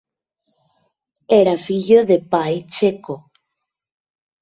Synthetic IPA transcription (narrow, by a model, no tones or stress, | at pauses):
eɾafiʎoðepajt͡ʃeko